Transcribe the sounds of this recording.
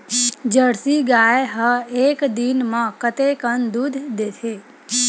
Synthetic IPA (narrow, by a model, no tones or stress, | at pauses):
d͡ʒəɽsiɡajeɦəekd̪inmãkət̪ekənd̪ud̪ʱd̪et̪ʰe